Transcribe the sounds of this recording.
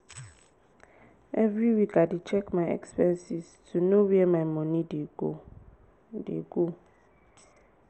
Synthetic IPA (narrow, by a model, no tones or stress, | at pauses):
ɛvɾiwikʰadɪt͡ʃʰɛkmaɪɛ̰kspɛ̃nsistʰunowiɛmãɪmɔ̃nĩdiɡo | dḭɡo